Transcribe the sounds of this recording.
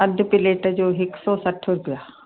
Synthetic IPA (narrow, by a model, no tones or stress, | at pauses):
ɐd̪ʱpɪleːʈɛd͡ʒoːɦɪksɔːsɐʈʰoɾbjaː